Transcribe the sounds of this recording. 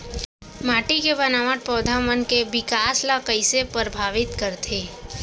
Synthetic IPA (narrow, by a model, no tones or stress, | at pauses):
maːʈikebənaːʋaʈ̪̚pɔːd̪ʱamənkebɪkaːslakəɪsepɾəbʱaːʋɪt̪kəɾt̪ʰeː